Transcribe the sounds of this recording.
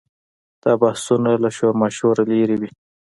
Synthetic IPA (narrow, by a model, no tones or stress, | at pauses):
d̪̥ɑbahsunalaʃomaʃhuɾaleɾiwi